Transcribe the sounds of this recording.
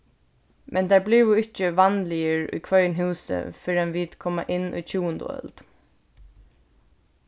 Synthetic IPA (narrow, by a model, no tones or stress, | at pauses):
mʔɛnt̪æɹblɪʋʊɪht͡ʃəʋanlɪjəɹṵjkʰʋœnɦuːsə̰fɪɹanʋiːt̪kʰɔma̰ʔɪnːʊ̰jt͡ʃʰuːənd̪ə̰œ̰lt̪